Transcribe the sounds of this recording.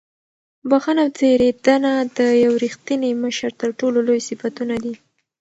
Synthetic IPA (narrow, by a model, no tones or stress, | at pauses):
baxanawt͡seɾed̪anad̪əjawɾixt̪ineməʃəɾt̪əɾʈololojsifat̪unad̪i